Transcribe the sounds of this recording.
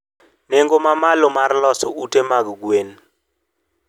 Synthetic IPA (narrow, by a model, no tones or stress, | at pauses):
neŋɡɔmamalɔmarlɔsɔʔutʼemak̬ɔk̬weni